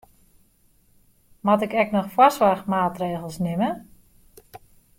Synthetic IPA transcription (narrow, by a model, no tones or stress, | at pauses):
mɔtɪkɛknɔxfwasʋarxmaːtreːɣəlˠsnɪmə